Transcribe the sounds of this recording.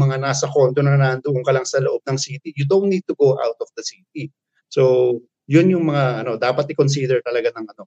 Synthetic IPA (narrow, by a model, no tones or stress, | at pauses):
mɐŋanaːsɐko̞nt̪onɐnaʔɐnd̪ʊʔoŋkɐlɐŋsɐloʔo̞b̚nɐŋsiːt̪ijud̪ownniːd̪̚t̪ʊɡoʔa̰wt̪ɔfd̪ɐsiːt̪i | so | jʊnjʊŋmɐŋaʔɐno̞d̪aːpɐt̪̚ɪkons̬id̪ɛɹt̪ɐlɐɡanɐŋɐno̞